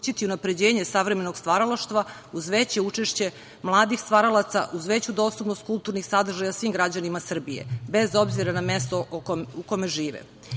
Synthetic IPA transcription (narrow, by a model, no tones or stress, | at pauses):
t͡ɕit̪iunapɾe̞d͡ʑeːɲesaʋɾeme̞noɡst̪ʋaɾalaʃt̪ʋa | uzʋet͡ɕeut͡ʂeʃt͡ɕe̞ | mlˠaːd̪ixst̪ʋaɾalat̪sa̰ʔuzʋet͡ɕud̪o̞ːst̪upnost̪kulˠt̪uɾnixsad̪r̩ʒajasʋiːmɡɾad͡ʑanimasr̩bijḛbe̞zo̞bziɾanamest̪oukomeʒiːʋɛ̰